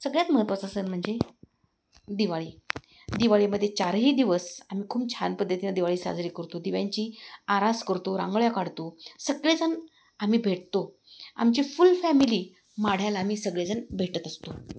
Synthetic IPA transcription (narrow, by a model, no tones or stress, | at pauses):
səɡɭjat̪məɦət̪ʋat͡sasəːnm̤əɳd͡ze | d̪iʋaɭiː | d̪iʋaɭiməd̪ʱːjet͡ɕaɾɦiːd̪iʋəsam̤iːkʰuːb̚t͡ɕʰanpəd̪ʱːət̪inad̪iʋaɭiːsa̰d͡zɾiːkəɾt̪od̪iʋjaɲt͡ɕiːaɾaskəɾt̪oɾã̰ŋɡɭjakaɽt̪osəɡɭed͡zən | am̤iːbʱeʈt̪o | a̰mt͡ɕiːfulfæmiliː | maɽ̤jalaamiːsəɡɭjad͡zənbʱeʈət̪əst̪o